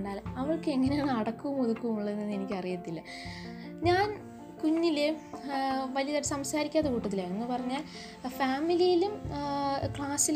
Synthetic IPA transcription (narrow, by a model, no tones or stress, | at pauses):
ɳɖaːlɐʋɐɭkɨeŋːɐne̞jaːɳɐɽɐkːuʋumuðukːumuɭːɐðenːɐnːe̞nikʲːɐrijɐt̪ːilːɐ | ɲaːn | kuɲːile | ʋɐlijɐðɐʈsɐmsaːɾikʲːaːðɐkuːʈːɐt̪̬ːilaːninːupɐrɐɲːaːl | faːmilijilum | kɭaːsil